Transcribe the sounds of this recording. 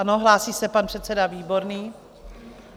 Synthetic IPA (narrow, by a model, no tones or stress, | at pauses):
ano̞ɦlaːsiːsɛpanpr̥ɛt̪t͡sɛdaviːbo̞ɾniː